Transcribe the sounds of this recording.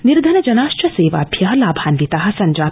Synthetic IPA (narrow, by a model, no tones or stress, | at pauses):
niɾd̪ʱɐnɐd͡ʒɐnaːʃt͡ʃɐseːʋa̰ːbjaɦɐlaːbʱaːnʋit̪aɦɐ̆sɐɲd͡ʒaː